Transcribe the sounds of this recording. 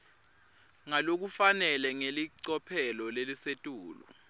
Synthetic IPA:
ŋalok̬ufanɛlɛŋeliǀɔpʰɛlɔlelisetʼuːlṵ

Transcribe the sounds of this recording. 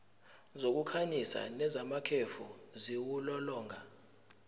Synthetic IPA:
zok̬ʼukʰanisa̰nɛzamakʰefuziwulɔlɔːŋɡʱa

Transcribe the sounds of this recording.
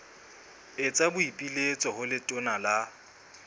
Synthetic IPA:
ɪt͡sʼabʊipʼilet͡sʼɔɦʊlɪtʼʊnala

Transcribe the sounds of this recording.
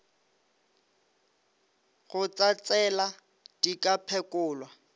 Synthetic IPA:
χʊt͡sʼat͡sʼɛla | d̥ikapʰɛkʼʊːlwa

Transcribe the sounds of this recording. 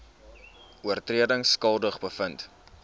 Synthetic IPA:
uərtriədəŋskɐlˠdəχbəfənt

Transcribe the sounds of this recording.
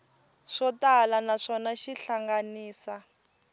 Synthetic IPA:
ʂɔtalanaʂɔnaʃiɬaŋɡaniːsa

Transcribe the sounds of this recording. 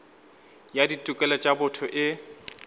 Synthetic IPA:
jaditʼʊkʼɛlɔt͡ʃʼabʊtʰɔʔɪ

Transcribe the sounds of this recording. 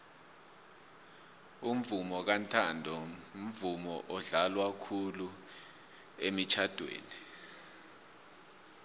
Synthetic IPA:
um̩vumɔk̬antʰandʱɔum̩vumɔ̰ʔɔɮalwakʰulu | emit͡ʃʰad̥ʱwḛːni

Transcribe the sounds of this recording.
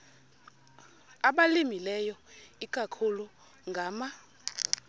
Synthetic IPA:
aɓalimilɛjɔikʼakʰulu | ŋɡʱaːma

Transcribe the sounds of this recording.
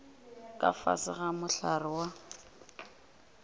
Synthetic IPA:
kʼa̰fa̰sɪɣamʊɬarɪwa

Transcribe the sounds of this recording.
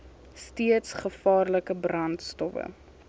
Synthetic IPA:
stiətsχəfɑːrləkəbrɐntstɔfə̰

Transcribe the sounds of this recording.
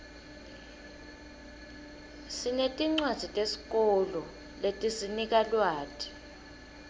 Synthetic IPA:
sinetʼiŋ͡ǀwḁz̥ʱitʼesi̥k̬ʼɔlɔ | letʼisinik̬alwaːtʰi̥

